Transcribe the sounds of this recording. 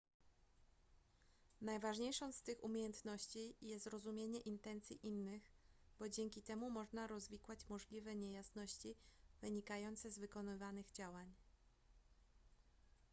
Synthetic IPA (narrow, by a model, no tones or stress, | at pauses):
najvaʐɲejʂɔ̃w̃st̪ɘxumʲjejɛnt̪nɔɕt͡ɕijɛst̪ɾɔzumʲjeɲɛʔint̪ɛnt̪sʲjiʔinːɘxɣbɔd͡ʑɛŋkʲit̪ɛmumɔʐnaɾɔzvʲikwat͡ɕmɔʐlʲivɛɲejasnɔɕt͡ɕivɘɲikajɔnt̪sɛzvɘkɔnɘvanɘɣd͡ʑawaɲ